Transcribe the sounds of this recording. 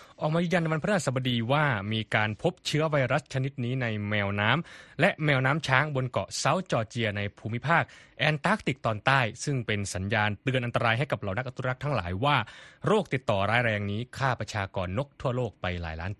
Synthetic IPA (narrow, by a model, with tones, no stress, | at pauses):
ʔɔː˨˩k̚maː˧jiː˧ŋja˧nːa˧wa˧npʰa˨˩saː˧ba˧diː˧waː˥˩miː˧kaː˧npʰo˦˥p̚t͡ɕʰɯ˦˥ɐwa˧jɾa˦˥st͡ɕʰa˧ni˦˥t̪̚niː˦˥na˧jmɛː˧wnaː˦˥mlɛ˦˥ʔmɛː˧wnaː˦˥mt͡ɕʰaː˦˥ŋbo˧nkɔ̰˨˩sa˦˥wt͡ɕɔː˧t͡ɕi˧ɐna˧jpʰuː˧mi˦˥pʰaː˥˩k̚ʔɛː˧nt̪aː˦˥k̚t̪i˨˩k̚t̪ɔː˧nt̪aː˥˩jsɯ˥˩ŋpe˧nsa˩˦njaː˧nt̪ɯ˧ənʔa˧nt̪a˧ɾaː˧jɦa˥˩jka˨˩p̚la˨˦na˦˥k̚ʔa˧t̪u˧˥˦a˦˥k̚t̪ʰa˦˥ŋla̰ː˩˦jwaː˥˩ɾoː˥˩k̚t̪i˨˩t̪ːɔː˨˩ɾaː˦jɾɛː˧ŋniː˦˥kʰaː˥˩pɾa˧t͡ɕʰaː˧kɔː˧nːo˦˥k̚t̪ʰu˥˩ɐloː˥˩k̚pa˧jla̰ː˩˦jla̰ː˦˥n